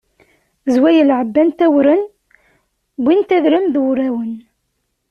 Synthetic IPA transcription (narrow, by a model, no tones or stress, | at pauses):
zwæjəlʕəbːænt̪æwɾən | bint̪æðɾəmðwɾæwən